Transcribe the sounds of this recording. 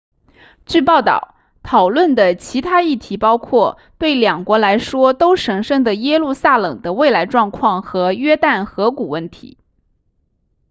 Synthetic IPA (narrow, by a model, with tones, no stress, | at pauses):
t͡ɕy˥˧pɑ˥˩ʊt̪ɑ̰˥˨˩ʊ | t̪ʰɑ˨˩ʊlwə˥˩nd̪ə˩t͡ɕʰi˧˥t̪ʰa˥i˥˩t̪ʰi˧˥pɑ˥ʊkʰwɔ˥˩ | t̪we˥˩ɪljɑ˨˩ŋkwɔ˧˥la˧˥ɪʂwɔ˥t̪o˥ʊʂɤ˧˥ŋʂɤ˥˩ŋd̪ə˩jɛ˥lu˥˧sa˥˩lɤ̰˨˩ŋd̪ə˦we˥˩ɪla˧˥ɪʈ͡ʂwɑ˥˧ŋkʰwɑ˥˩ŋxɤ˧˥ɥɛ˥t̪a˥˩nxɤ˧˥ku˨˩wə˥˩nt̪ʰḭ˧˥